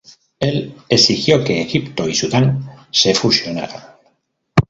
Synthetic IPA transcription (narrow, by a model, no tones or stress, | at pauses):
e̞lesixjo̞ke̞ːɣipt̪oisuðanse̞fusjo̞na̰ɾaŋ